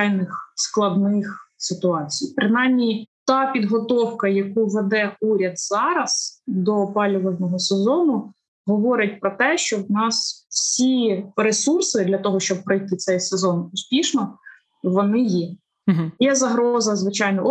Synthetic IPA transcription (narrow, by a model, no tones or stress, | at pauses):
jnɪxsklˠɐd̪nɪxsɪt̪ʊɑt͡sʲijpɾɪnɑjmʲit̪ɑpʲid̪ɦɔt̪ɔwkɐjɐkuʋed̪ɛuɾʲɐd̪z̥ɑɾɐz̥d̪ɔpɑlʲʊʋɐlnɔɦɔsezɔnʊ | ɦɔʋɔɾʲɐt̚ʲpɾɔt̪ɛʃt͡ʃɔwnɑsw̥sʲiɾesursɪd̪lʲɐt̪ɔɦɔʃt͡ʃɔb̚pːɾɔjt̪ɪt̪sɛjsezɔnʊspʲiʃnɔ | ʋɔnɪjɛ | jɛzɐɦɾɔzɐzʋɪt͡ʃɑjnɔ